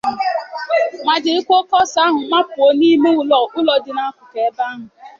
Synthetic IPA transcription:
ma˨dɪ˨ɪ˦kʷo˦kɔ˦sa˦ɦʊ˨ma˦pʊ˨o˦ni˦me˦ʊ˦lɔ˨ʊ˦lɔ˨dɪ˨na˦kʷʊ˨ke˨e˦ba˦a˦ɦʊ˨

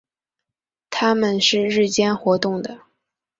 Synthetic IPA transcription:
t̪ʰa˥mə˨nʂɻ̩˥˧ɻɻ̩˥˩t͡ɕjɛ˥nxwɔ˧˥t̪ʊ˥˩ŋd̪ə˩

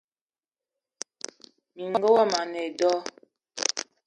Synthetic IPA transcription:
mi˨ŋ˦ɡə˦wa˦ma˨ne˨dɔ˦

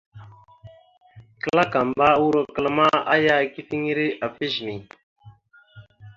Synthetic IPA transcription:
kə˦la˦ka˨mba˦wu˦ɾo˦kə˦lə˦ma˦a˦ja˦ki˦fi˦ŋ˦ɾi˦ʔa˨fi˦ʒni˨

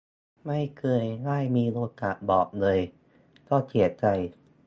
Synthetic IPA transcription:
ma˥˩jkʰɤː˧jŋaː˥˩jmiː˧loː˧t̪ʰːa˨˩ʔbɔː˨˩k̚lɤː˧j | k̪ɔː˥˩t̪ʰi˨˩˦ət̪̚t͡ɕa˧j

